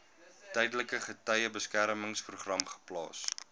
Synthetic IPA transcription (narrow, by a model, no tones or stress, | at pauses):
tɛjdələkəχətœjəbəskæɾməŋspruχrɐmχə̥plɑ̰ːs